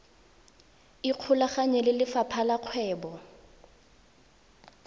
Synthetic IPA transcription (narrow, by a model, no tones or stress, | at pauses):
ɪq͡χʰʊlaχaɲɛlɪlɪfapʰalaq͡χʰwɛːbɔ